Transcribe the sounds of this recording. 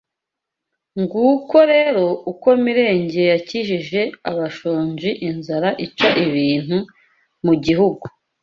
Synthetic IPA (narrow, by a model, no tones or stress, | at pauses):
ŋɡuko̞ɾeːɾo̞uko̞miɾe̞ːɲɟe̞jaciʃiʒe̞a̰βaʃoːɲʒiʔinzaɾaʔit͡ʃaʔiβiːn̥hu | muɟiɦuɡu